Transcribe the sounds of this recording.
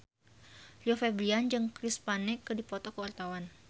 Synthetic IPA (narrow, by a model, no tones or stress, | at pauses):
liɔfɛbliand͡ʒɨŋkɾispanɛkːədipɔt̪ɔkəurt̪awan